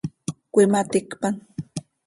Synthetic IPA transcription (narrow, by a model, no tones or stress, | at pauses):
kʷɪmat̪ɪkpaŋ